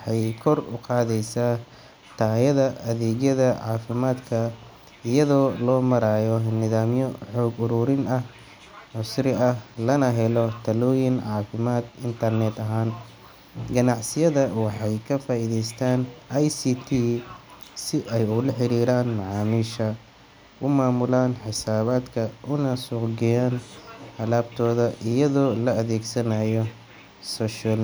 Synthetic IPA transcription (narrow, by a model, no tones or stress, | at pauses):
wɑħɑjkʰɔrʊqɑːðɛjsaː | t̪ʰaːjɐðɐʔɐðɛːɣjɐðɐʕɑːfɪmaːd̪kʰɐ | ɪjɐðɔːlɔːmɐɾaːjɔnɪðaːmjɔħɔːɡʊɾuːɾɪnɐh | ʕʊsrɪɐhlɐnɐɦɛlɔt̪ʰɐlɔːjɪnʕɑːfɪmaːd̪ɪnt̪ʰɐrnɛd̪ɐɦaːn | ɡɐnɑʕsɪjɐðɐwɑħɑjkʰɐfaːiðɛjst̪ʰaːnajsiːt̪ʰiː | sɪʔɛjʊlɐħɪɾiːɾaːnmɑʕɑːmiːʃɐ | ʔʊmaːmʊlaːnħɪsaːβaːd̪kʰɐʔʊnɐsʊːqɡɛjaːnhɐlaːb̚t̪ʰɔːðɐʔɪjɐðɔːlɐɐðɛːɡsɐnɐjɔ | sɔːʃal